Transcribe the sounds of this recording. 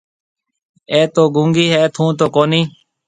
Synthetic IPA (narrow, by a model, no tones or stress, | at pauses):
eːt̪oːɡũːŋɡiːɦɛːt̪ʰũːt̪oːkoːniː